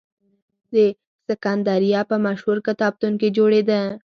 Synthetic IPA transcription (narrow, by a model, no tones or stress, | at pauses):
d̪e | səkɑːnd̪ɑːɾijɑpəmaʃhuɾkət̪ɑːb̚t̪unked͡ʒoɽed̪ã